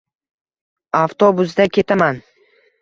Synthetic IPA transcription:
aft̪ʰobʊs̬d̪akʲʰe̞t̪ʰaman

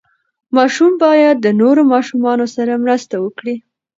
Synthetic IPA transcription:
mɑʃumbɑjad̪ːənoɾomɑʃumɑnosaɾamɾəst̪awəkɽi

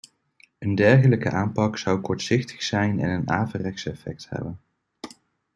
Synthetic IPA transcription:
əndɛɹχələkəʔaːmpɑksɑwkɔɹtsɪχtʰə̥χsɛjnɛ̰nəna̰ːvərɛksɛfɛk̚thɛ̰bən

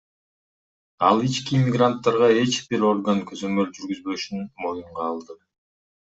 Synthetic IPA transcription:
ɑlˠit͡ʃkimʲiɡrant̪ːɑɾʁɑe̞t͡ʃbiɾo̞rɡankʰøzø̞mø̞ld͡ʒyɾɡyzbø̞ʃynmo̞juɴʁɑːlˠd̪ɯ

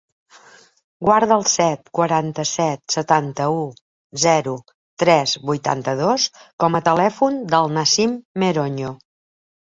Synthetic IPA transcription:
ɡwaɾðəːlˠsɛt̪̚kwəɾant̪əsɛt̪sət̪ant̪əu | zɛɾu | t̪ɾɛzβujt̪a̰nt̪əðoskɔmət̪əlɛfund̪əlˠnasimːeɾoɲo

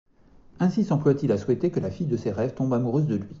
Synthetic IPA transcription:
ɛ̃sisɑ̃plwat̪ilaswɛt̪ekəlafijd̪əseʁɛvt̪ɔ̃bamuʁøzd̪əlɥi

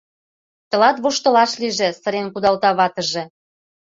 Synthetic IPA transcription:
t̪ə̆lɑt̪βoʃt̪ɤ̆lɑʃliʒĕsə̆ɾenkud̪ɑlt̪ɑβɑt̪ə̆ʒĕ

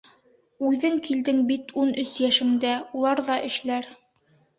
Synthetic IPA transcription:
ʉðɘŋkild̪ɘŋbit̪unɵsjæʃɘ̆ŋd̪æulˠɑɾðɑʔɘ̆ʃlæɾ

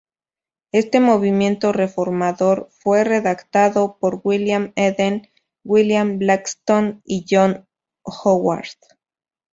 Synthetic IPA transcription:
e̞st̪e̞mo̞β̞imje̞nt̪o̞re̞fo̞ɾmaðo̞ɾfwe̞re̞ðakt̪aðo̞po̞ɾɣwiljameðen | ɡwiljamblakst̪oniʝo̞n | xowa̰ɾt̪

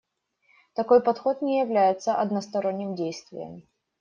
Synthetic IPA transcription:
t̪ɐko̞jpɐt̪xo̞t̪nʲɪjɪvlʲæjɪt̪səʔɐd̪nəst̪ɐɾo̞nʲːɪmdʲejst̪vʲɪ̰jə̰m

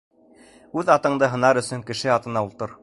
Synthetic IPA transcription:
ʉðɑt̪ɤ̆ɴd̪ɤɦɤ̆nɑɾɵ̆sɵŋkɘ̆ʃɘɑt̪ɤ̆nɑulˠt̪ɤɾ

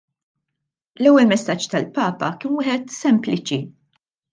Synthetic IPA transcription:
lɛwːɛlmɛsːɐt͡ʃːt̪ɐlpɐːpɐ̰kɪːnwɪːħɛt̪sɛmplɪt͡ʃi

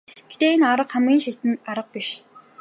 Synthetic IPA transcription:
ɡ̥et̪eːenaɾə̆qχamɡʲiːnʃiɬt̪ɘ̆naɾə̆q̚piʃ

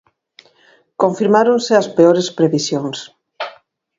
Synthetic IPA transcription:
koɱfiɾmaɾonseɐspeoɾespɾeβisjoŋs

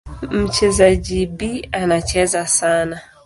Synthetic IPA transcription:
m̩t͡ʃɛzaʄiɓianat͡ʃɛzasana

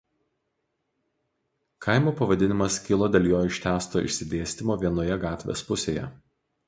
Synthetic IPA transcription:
kʰɑˑɪmuːpɐʋɐd̪ʲɪnʲɪmɐskʲɪlˠoːd̪ʲɛlʲjoːjɪʃʲt̪ʲæːst̪oːɪ̰ʃʲsʲɪd̪ʲeːsʲt̪ʲɪmoːʋʲiɛnoːjɛɡɑːt̪ʲʋʲḛːspʊsʲḛːjɛ̰

